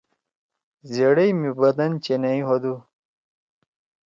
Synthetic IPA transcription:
zeɽejmibɐd̪ɐnt͡ɕenɐiɦod̪u

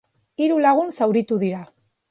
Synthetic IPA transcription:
iɾulaɣ̞unsawɾit̪uðiɾa

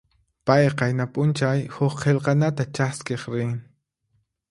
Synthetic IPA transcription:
pajqɑjnapʼʊnt͡ʃajhʊχqʰelqɑnat̪at͡ʃaskeχɾɪŋ

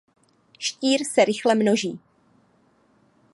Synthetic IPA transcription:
ʃciːɾsɛɾɪxlɛmno̞ʒiː

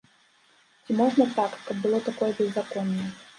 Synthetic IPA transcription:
t͡sʲimɔʐnɐt̪akkɐb̚ːɨlˠɔt̪akɔjɛbʲɛzakɔnːɐj

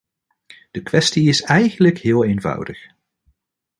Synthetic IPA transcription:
d̥əkʋɛstiɪsɛjχənləkɦɪːlˠejnvɑ̰wdəχ

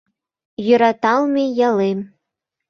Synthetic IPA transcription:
jø̆ɾɑt̪ɑlˠmʲijɑlˠem

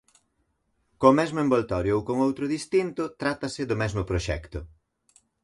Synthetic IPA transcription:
komɛzmoẽmbolt̪ɔɾjoowkoŋowt̪ɾʊðist̪int̪ʊt̪ɾat̪ɐsɪd̪ʊmɛzmʊpɾoʃɛ̰kt̪ʊ

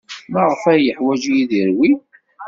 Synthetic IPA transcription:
mæʁəfæjəħwæd͡ʒijiðiɾwi

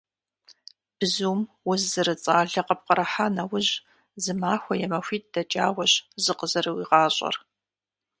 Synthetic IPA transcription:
b̥ɨzum | wʊzːɨɾɨt͡sʼaːɮɐqɐp̚qəɾɐħaːnɐwʊʑ | zɨmaːxʷɐjɛmɐxʷiːt̚d̥ɐt͡ʃʼaːwɐɕzɨqəzɐɾɨwiːʁɑːɕʼɐ̰r

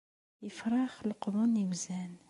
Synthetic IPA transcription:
jəfɾˤɑxlqʊd̪unəwzæn

